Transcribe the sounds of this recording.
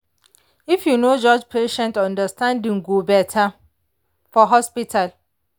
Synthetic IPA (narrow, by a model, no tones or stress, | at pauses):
ifjunod͡ʒɔd͡ʒpʰeʃɛ̃ntɔ̃ndəstãndĩŋɡobɛtʰa | fɔɦɔspitʰal